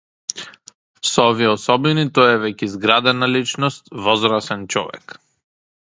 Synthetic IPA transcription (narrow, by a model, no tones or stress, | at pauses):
sɔɔviɛɔsɔbinit̪ɔjɛvɛkɛzɡɾad̪ɛnalit͡ʃnɔst̪vɔzɾasɛnt͡ʃɔ̰vɛ̰k